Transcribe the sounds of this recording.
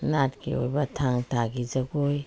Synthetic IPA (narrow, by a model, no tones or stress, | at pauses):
natkḭo̰jbatʰaŋtʰaɡid͡ʒaɡoj